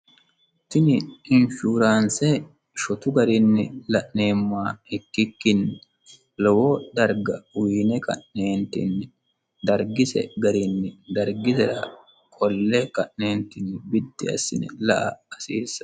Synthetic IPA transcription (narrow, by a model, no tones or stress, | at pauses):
t̪ɪnɪɪnʃuːɾaːnsɛ | ʃɔt̪ʊɡɐɾɪnːɪlɐʔneːmːaːɪkːɪkːɪnːɪ | lɔwod̪ɐɾɡɐwiːnɛkɐ̰ʔneːnt̪ɪ̰nːɪ | d̪ɐɾɡɪsɛ̰ɡɐɾɪnːɪd̪ɐɾɡɪsɛɾɐ | kʼɔlːɛkɐʔne̞ːnt̪ɪnːɪbɪd̪ːɪɐ̰sɪnɛ̰lɐʔɐːsiːsːɐ̥